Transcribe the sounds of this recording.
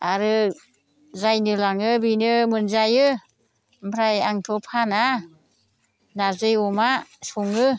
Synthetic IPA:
aɾɯ | zajnɯlaŋɯbinɯmɯnzajɯ | mpʰɾajaŋtʰɔpʰana | nazɯjɔmasuŋɯ

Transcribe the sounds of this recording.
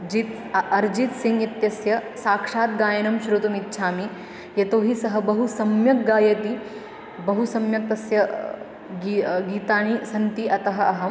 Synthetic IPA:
d͡ʒit̪ | ɐɾd͡ʒit̪siŋɡit̪jɐsjɐsaːkʂaːt̪ɡaːjɐnɐmʃɾut̪umit̪ːʃʰaːmi | jɐt̪oːɦisɐɦɐbɐɦusɐmjɐk̚ɡaːjɐt̪i | bɐɦusɐmjɐk̚t̪ɐsjɐ | ɡiɡiːt̪aːɳisɐnt̪iʔɐt̪ɐɦɐ̆ɐɦɐ

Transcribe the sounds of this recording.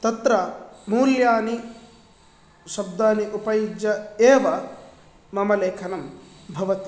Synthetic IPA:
t̪ɐt̪ɾɐmuːljaːni | ʃɐbd̪aːniʔupɐjid͡ʒjɐeːʋɐ | mɐmɐleːkʰɐnɐm | bʱɐʋɐt̪i̥

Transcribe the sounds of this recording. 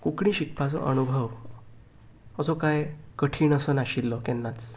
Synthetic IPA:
kukɽ̃ĩːɕikpʰat͡sɔ̰ʔənubʱəʋ | əsɔkajkəʈʰiːɳəsənaɕilːɔkɛnːat͡s

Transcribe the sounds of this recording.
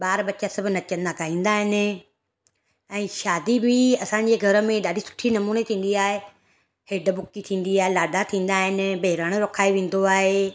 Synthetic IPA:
ɓaːɾɓɐt͡ɕasɐbʱnɐt͡ɕɐ̃nd̪akaːɦĩːn̆d̪aːɦɪnɪ̆ | ɛ̃ːʃaːd̪ibʱɪɐsãːɲ̆d͡ʑeɡʱɐɾə̆mẽɗaːɖʱisʊ̥ʈʰinɐmuːnet̪ʰĩːn̆d̪iaːɦe | hɪɖəbʊkit̪ʰĩːn̆d̪iaːɦelaːɖʱat̪ʰĩːn̆d̪aːɦɪnɪ̆beɦɪɾaɽ̃ɾoːkʰaːiʋẽːn̆d̪oaːɦeː

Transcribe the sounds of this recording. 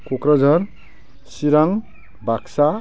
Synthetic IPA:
kokɾʌd͡zʱʌɾ | siɾaŋ | baksa

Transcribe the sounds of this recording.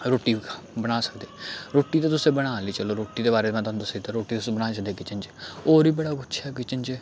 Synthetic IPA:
ɾoːʈiː | bəɽ̃aːsəkd̪eːɾoːʈːiːt̪eːt̪ʊsẽːbəɽ̃aːliːt͡ʃəloːɾoːʈːiːd̪eːbaːɾeːmãːt̪ənt̪ʊset̪aɾoːʈːiːt̪ʊsẽːbəɽ̃aːt͡ʃəd̪eːkɪt͡ʃənt͡ʃoːɾiːbəɽaːkʊʃʰɛːkɪt͡ʃənt͡ʃː

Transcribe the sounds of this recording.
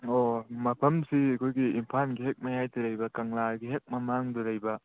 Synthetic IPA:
omɐpʰɐmsiɐkʰojɡiimpʰanɡiɦek̚mɐjajtɐɾɐjbɐkɐŋlaɡiɦek̚mɐmaŋduɾɐjbɐ

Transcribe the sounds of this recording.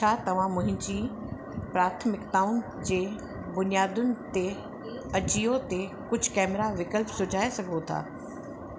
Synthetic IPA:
t͡ɕʰaːt̪ɐʋ̤ãmʊ̃ɦɪ̃ɲd͡ʑiː | pɾaːt̪ʰmɪkt̪aːʊn | d͡ʑeː | bʊnijaːd̪ʊnɪ̆t̪e | ɐd͡ʑijot̪e | kʊd͡ʑʱʊ̥kɛːmɪɾaʋɪkəlpsʊd͡ʑʱaːesɐɡʱot̪ʰa̰ː

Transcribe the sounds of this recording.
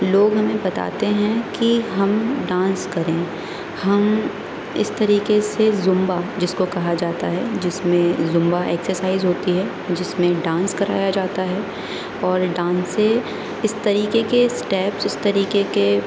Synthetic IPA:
loːɡɦɐmẽbɐt̪a̰ːt̪eɦɛ̃kiɦɐmɖãːnskɐɾẽː | hɐm | ɪ̰st̪ɐɾiːkesezʊ̃mbad͡ʒɪskokɐɦad͡ʒaːt̪aɦɛd͡ʒɪsmẽzʊ̃mbaʔɛːksəɾsaːɪzɦoːt̪iɦɛ | d͡ʒɪsmẽɖãːnskɐɾa̰ːjad͡ʒaːt̪aɦɛ | ɔːɾɖãːnsːe | ɪst̪ɐɾiːkekesʈɛːpsɪst̪ɐɾiːkeke

